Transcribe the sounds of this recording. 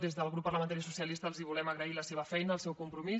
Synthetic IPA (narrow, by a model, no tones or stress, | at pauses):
d̪ezðəlˠɣɾupːərləmənt̪aɾisusiəlist̪əːlˠziβulɛməɣɾəiləseβ̞əfɛjnəːlˠsɛwkumpɾumi